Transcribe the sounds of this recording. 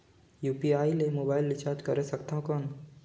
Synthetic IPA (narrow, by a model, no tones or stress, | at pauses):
juːpiaːilemoːbaːɪlʋɪt͡ʃaːɾd͡ʒkəɾesəkt̪ãɦõkɔn